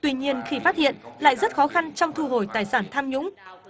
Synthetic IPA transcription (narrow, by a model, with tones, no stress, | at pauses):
t̪wi˧ɲi˧ənxi˧˩faː˦˥t̚hḭ˧˨ənla̰ː˧˨jzə˦˥t̚xɔ˨˦xa˧nt͡ɕɔ˧wŋ͡mt̪ʰu˧ɦo˧˩jt̪aː˨˩jsaː˧˩nt̪ʰaː˧mɲʊ̰˧˥ŋ͡m